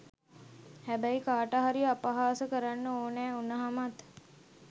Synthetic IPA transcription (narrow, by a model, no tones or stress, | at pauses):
hæbæjkaːʈaɦaɾiapaɦaːsəkəɾanːəoːnæːunəɦamat̪